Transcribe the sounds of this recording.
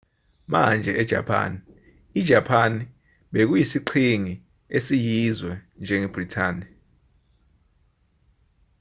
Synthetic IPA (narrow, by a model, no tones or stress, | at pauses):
ma̰nd͡ʒʱɛʔɛd̥ʒ̥ʱa̰pʰa̰ːni | id̥ʒ̥ʱapʰani | ɓek̬ujisiǃʰiŋi | esijizwɛnd͡ʒʱɛŋɛb̥ritʰaːni